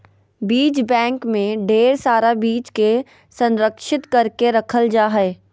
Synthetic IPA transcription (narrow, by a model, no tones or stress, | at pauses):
biːt͡ʃbɛ̃ːŋkmẽɖeːɾsaːɾabiːt͡ʃke | sɐ̃nɾəkʃɪt̪kɐɾkeɾɐkʰəld͡ʒaːɦɛː